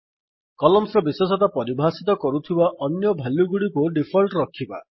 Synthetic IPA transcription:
kɔlɔmsɾɔbiswɔsɔt̪apɔɾibʱasit̪ɔkɔɾut̪ʰibaʔɔnjɔbʱaljuɡuɽikuɖipʰɔlʈɾɔkʰiba̰

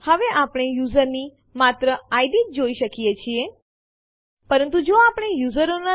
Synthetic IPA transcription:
həʋeʔapɽ̃ejuzəɾni | mat̪ɾəajd̪it̚d͡ʒoiʃəkijet͡ʃʰie | pəɾənt̪̬ud͡ʒoapɽ̃ejuzəɾona

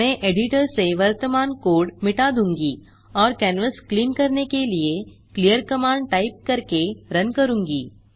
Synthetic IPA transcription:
ɛ̃ːʔeːɖɪʈəɾseʋɐɾt̪əmaːnkoːɾɖmɪʈad̪ũːŋɡi | ɔːɾkɛːnʋəskliːmkɐɾnekelie | klijəɾkɐmãːɳɖ̚ʈaːɪp̚kɐɾkeɾɐnkɐɾũːŋɡḭː

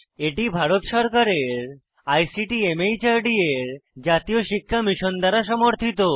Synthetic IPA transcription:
eʈibʱaɾot̪ʃɔɾkaɾeɾ | ajsiʈiemejt͡ɕaɾɖieɾd͡ʑat̪ioʃikʰːamiʃond̪aɾaʃɔmoɾt̪ʰit̪o

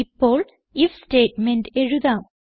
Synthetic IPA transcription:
ipːoːɭ | ifsʈeːʈ̚menʈeɻuðaːm

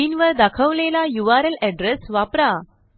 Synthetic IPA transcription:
inʋəɾd̪akʰəʋlelajuʋaɾəlɛɖɾesʋapɾa

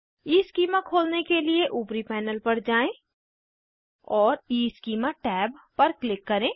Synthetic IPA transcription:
iːskiːmãkʰoːlnekelieʔuːpɾipɛːnəlpɐɾd͡ʒaːẽ | ɔːɾiːskiːmãʈɛːbpɐɾklɪkːɐɾẽː

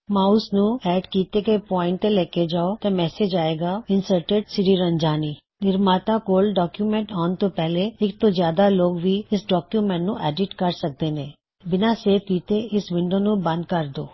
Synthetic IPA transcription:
mãːʊsnũːɛːɖkiːt̪ekepɔːɪ̃ɳʈt̪elɛːked͡ʒaːot̪emɛːsed͡ʒaːeːɡaːɪnsəɾʈeɖsɪɾiɾəɲd͡ʒaːniː | nɪɾmaːt̪akoːlɖɔːkjuːmɛ̃ɳʈaːnt̪oːpɛːɦleɪk̚t̪oːzjaːd̪aloːɡʋiːɪsɖɔːkjuːmɛ̃ɳʈnũːʔɛːɖɪʈkəɾsək̚d̪eːnẽː | bɪnaːseːkiːt̪eɪsʋɪ̃ɳɖoːnũbə̃nd̪̚kəɾd̪oː

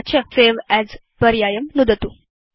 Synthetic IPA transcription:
t͡ɕʰəseʋæz | pəɾjajəmnud̪ət̪u

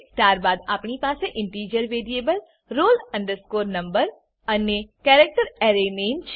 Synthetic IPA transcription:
sʈaːɾbaːd̪apɳipaːseʔɪ̃ɳʈiːd͡ʒəɾʋeːɾieːbəl | ɾoːlɐ̃ɳɖəɾskoːɾnɐ̃mbəɾ | ɐnjekɛːɾek̚ʈəɾɛːɾeneːmt͡ʃʰ

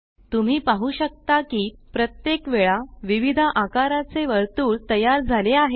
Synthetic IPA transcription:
t̪um̤iːpaɦuːɕək̚t̪akiːpɾət̪jekʋeɭaʋiʋid̪ʱaʔakaɾat͡seʋəɾt̪uːɭt̪əjaɾd͡zʱaleaɦe

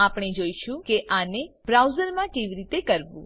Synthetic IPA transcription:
apɽ̃ed͡ʒoiʃũkeʔanebɾawzəɾmãkeʋiɾit̪ekəɾʋṵ̃

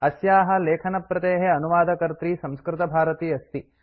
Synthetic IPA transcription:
ɐsjaːɦɐ̆leːkʰɐnɐpːɾɐt̪eːɦeɐnuʋaːd̪ʱɐkɐɾt̪ɾiːsɐ̃mskɾɪt̪ɐbʱaːɾɐt̪iːɐst̪i

